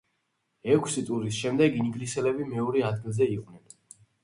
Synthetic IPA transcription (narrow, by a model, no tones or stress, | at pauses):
ɛkʰsit̪ʼuɾisʃɛmd̪ɛɡiniɡlisɛlɛbimɛɔɾɛad̪̚ɡilˠzɛiqʼnɛn